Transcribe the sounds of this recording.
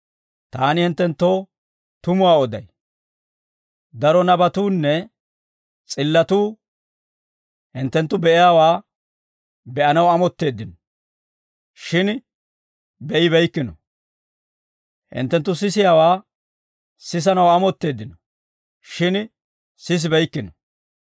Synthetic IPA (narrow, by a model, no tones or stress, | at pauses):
t̪aːnɪhɪnt̪ːɛnt̪ːo̞ː | t̪ʊmʊwaːɔd̪ɐ̰j | d̪ɐɾɔnɐbɐt̪uːnːɛ | t͡sʼɪlːɐt̪uː | hɪnt̪ːɛnt̪ːʊbɛʔɪjaːwaː | bɛʔɐnɐwɐmɔt̪ːe̞ːd̪ːɪnɔ | ʃɪn | bɛʔɪβɛjkːɪnɔ | hɪ̰nt̪ːɛnt̪ːʊs̬ɪsɪjaːwaː | sɪs̬ɐnɐwɐmɔt̪ːe̞ːd̪ːɪnɔ | ʃɪn | sɪs̬bɛjkːɪnɔ